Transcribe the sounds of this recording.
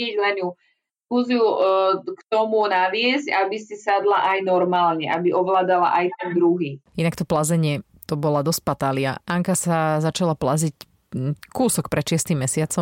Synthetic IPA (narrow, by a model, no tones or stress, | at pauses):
ɛɟlɛɲu | kuziukt̪ɔmunaʋɪɛzcabisisad̪laʔajnɔɾmaːlɲɛʔabiʔɔʋlaːd̪ala̰ʔajt̪ɛnd̪ɾuɦiːinakt̪ɔplazɛɲɪɛ | t̪ɔbɔlad̪ɔsc̚pat̪aːlɪa̰ʔaŋkasazat͡ʃalaplazic | kuːsɔk̚pɾʔɛt̪ʃɪɛst̪imːɛsɪat͡sɔ